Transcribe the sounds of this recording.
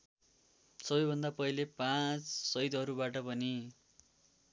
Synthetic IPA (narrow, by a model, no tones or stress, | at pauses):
sʌbʌjbʱʌnd̪apʌilepãt͡ssʌit̪ʌɾubaʈʌpʌni